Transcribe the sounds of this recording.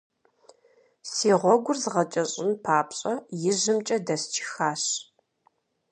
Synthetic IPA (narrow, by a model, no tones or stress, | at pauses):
siːʁʷɔɡʷʊrzʁɐt͡ʃʼɐɕʼɪnpʰaːpɕʼɐjɪʑɨmt͡ʃʼɐdɐst͡ʃʰɪ̥xaːɕ